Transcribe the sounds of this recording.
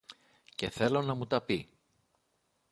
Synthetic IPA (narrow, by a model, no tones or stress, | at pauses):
ce̞θe̞lo̞nɐmut̪ɐpi